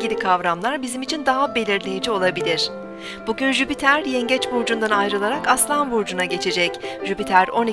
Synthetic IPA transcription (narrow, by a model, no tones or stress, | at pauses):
ɟilʲikʰavɾamlˠaɾbizimit͡ʃʰind̪aɦabe̞lʲiɾlʲejed͡ʒio̞lˠabilʲiɾ̥ | b̥uɟynʒypit̪ʰæɾjɛɲɟɛt͡ʃvuɾd͡ʒund̪anajɾɯlˠaɾakaslˠanvuɾd͡ʒunaɟe̞t͡ʃʰe̞d͡ʒɛcʒ̥ypit̪ʰæɾo̞ni